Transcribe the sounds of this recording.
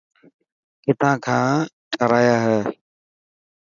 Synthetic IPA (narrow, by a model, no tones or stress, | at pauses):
kɪt̪ʰãːkʰãːʈəɾaːjaːɦɛː